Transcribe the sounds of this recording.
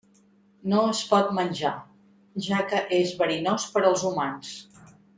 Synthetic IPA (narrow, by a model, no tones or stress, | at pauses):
noəspɔt̪̚mənʲʒa | ʒakəʔezβəɾinospəɾəlˠzumans